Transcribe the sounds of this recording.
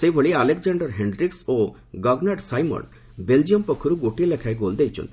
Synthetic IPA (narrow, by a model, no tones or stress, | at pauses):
sejbʱoɭialekd͡ʒaɳɖɔɾɦeɳɖɾikso | ɡɔɡnaʈsajmɔ̰n | beld͡ʒiɔmpɔkʰːɔɾuɡoʈilekʰajɡold̪ejt͡ʃʰɔ̰nt̪i̥